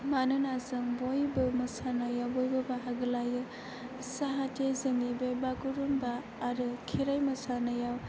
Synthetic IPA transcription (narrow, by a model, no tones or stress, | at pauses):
manɯnazɯŋbojbɯmɐsanɐjawbojbɐbaɦaɡɯlajɯ | saɦatezɯŋebebakuɾumbaː | ɾɯkʰeɾajmɐsanɐjaw